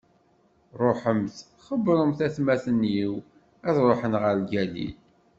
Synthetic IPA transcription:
ɾˤoħəmθ | χəbɾˤəmθæθmæθənjiw | æðɾˤoħənʁəɾɡælḭl

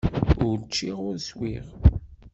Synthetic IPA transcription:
ʊɾt͡ʃːiʁʊɾswiʁ

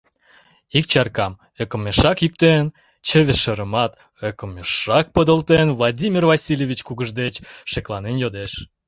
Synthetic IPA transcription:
ikt͡ɕɑrkɑm | økəmeʃɑkjyk̚t̪en | t͡ɕə̆βeʃəɾəmɑt̪ | økəmeʃɑk̚pəd̪əlt̪envlˠɑdʲimʲirvɑsʲilʲevʲit͡ɕkuɣəʒd̪et͡ɕʃeklɑnenjod̪eʃ

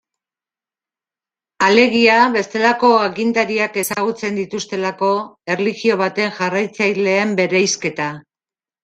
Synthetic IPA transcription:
ale̞ɣ̞iaβe̞st̪e̞lako̞aɣind̪aɾiake̞saɣut͡se̞nd̪it̪ust̪e̞lako̞e̞rliɣio̞β̞at̪e̞ŋʝarajt͡sajle̞ːmbe̞ɾejske̞t̪a

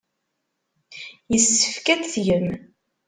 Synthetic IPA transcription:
jəsːə̥fkædθjəm

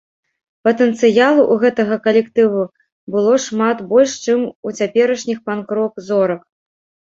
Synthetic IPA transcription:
pɐt̪ɛnt̪sɨjalˠuʔuɣɛt̪ɐɣɐkɐlʲɛkt̪ɨvu | bɨlˠɔʂmat̪bɔlʲʂt͡ʂɨmut͡sʲapʲɛɾɐʂnʲixpankɾɔkzɔɾɐk

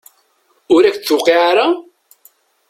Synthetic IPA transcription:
ʊɾækθːʊqːiʕaɾa

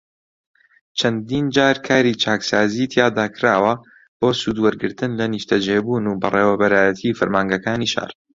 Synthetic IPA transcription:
t͡ʃʰɐnd̪iːnd͡ʒaːɾkʰaːɾit͡ʃʰaːksaːzit̪ʰjaːd̪aːkʰɾaːwɐ | b̥oːsuːd̪wɐɾɡɨɾt̪ɨnlɐniʃt̪ʰɐd͡ʒeːbunuːbɐ̰rˤeːwɛbɐɾaːjɐt̪ʰifɨɾmaːŋɡɐkaːniːʃa̰ːr

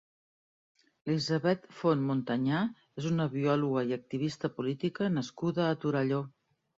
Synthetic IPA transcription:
lizəβɛt̪fonmunt̪əɲa | ezunəβiɔluɣəiək̚t̪iβ̞ist̪əpulit̪ikənəskuðəːt̪uɾəʎo

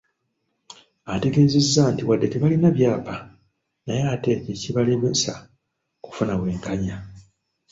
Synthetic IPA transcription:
ate̞ɡe̞ːze̞zːaːntiwadːe̞teβalinaβjaːpa | najaːte̞ceciβaleβesa | ku̥funaβwe̞ːŋkaɲa

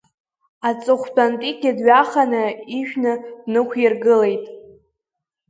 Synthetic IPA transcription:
at͡sʼɨχʷbʰantʼikʲadɥaχanɨiʃᶣnɨdnɨkʷʰjirɡɨle̞jtʼ

